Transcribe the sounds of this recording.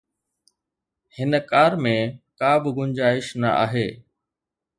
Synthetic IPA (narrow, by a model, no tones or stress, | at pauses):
hɪnəkaːɾmẽkaːbɪɡʊɲd͡ʑaːɪʃnɐ̰ʔa̰ːɦeː